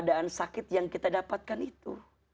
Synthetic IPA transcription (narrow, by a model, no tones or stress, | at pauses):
daʔansakɪt̪̚jaŋkit̪adapat̪̚kanit̪u